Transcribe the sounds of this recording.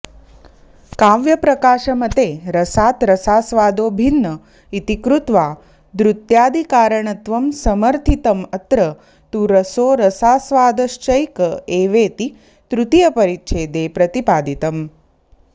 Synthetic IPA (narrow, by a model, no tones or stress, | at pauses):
kaːʋjɐpɾɐkaːʃɐmɐt̪eːɾɐsaːt̪ɾɐsaːsʋaːd̪oːbʱinːɐ | it̪ikɾut̪ʋaː | d̪ɾut̪jaːd̪ikaːɾəɳ̃ɐt̪ʋɐmsɐməɾt̪ʰit̪ɐmɐt̪ɾɐ | t̪uɾɐsoːɾɐsaːsʋaːd̪ɐʃt͡ʃɐjkɐeːʋeːt̪i | t̪ɾut̪ijɐpɐɾitːʃʰeːd̪eːpɾɐt̪ipaːd̪it̪ɐm